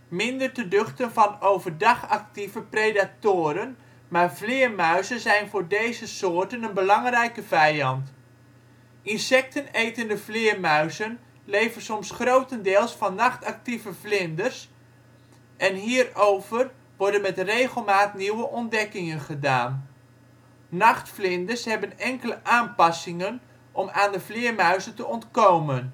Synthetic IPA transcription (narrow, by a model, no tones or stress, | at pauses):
mɪndərtədɵχtənvɑnowvərdɑχɑk̚tivəprejdatoːɾən | maːɹvlɪːɹmœɥzənzɛjnvʊːɹdejzəsoːɹtənənbəlɑŋrɛjkəvɛjɑnt | ʔɪnsɛk̚tənejtəndəvlɪːɹmœɥzən | lejvənsɔmsχrowtəndɪːlˠsfɑnːɑχtɑk̚tivəflɪndərs | ʔɛnɦiːrowvər | ʋɔɹdənmɛtrejχəlˠmaːtniwəʔɔndɛkɪŋənχədaːn | ɑχtflɪndəshɛbənɛŋkələʔaːnpɑsɪŋən | ʔɔmaːndəflɪːəɹmœɥzəntəɔntkowmən